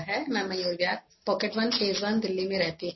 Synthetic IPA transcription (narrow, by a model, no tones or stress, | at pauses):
ɦɛmɛ̃mɐjuːɾbjaːk̚pɔːkeʈʋɐnfeːzʋənd̪ɪlːimẽɾɛɦt̪iɦ